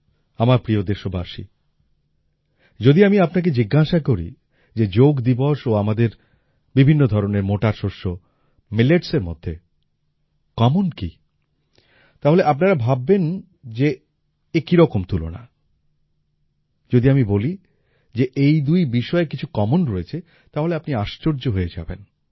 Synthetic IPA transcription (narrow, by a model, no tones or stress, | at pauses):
amaɾpɾiod̪eʃobaʃḭ | d͡ʑod̪iamiapnak̬ed͡ʑiɡːaʃakoɾḭ | d͡ʑed͡ʑoɡd̪iboʃoamad̪eɾ | bibʱinːod̪ʱɔɾoneɾmoʈaɾʃoʃːo | meleʈseɾmo̰d̪ʱːe | kɔmonkḭ | t̪aɦoleʔapnaɾabʱabːen | d͡ʑe | ekiɾɔkomt̪ulo̰na̰ | d͡ʑod̪iamiboli | d͡ʑeʔejd̪ujbiʃɔekit͡ɕʰukɔmonɾoet͡ɕʰe | t̪aɦoleapniaʃt͡ɕoɾd͡ʑoɦoed͡ʑa̰bḛn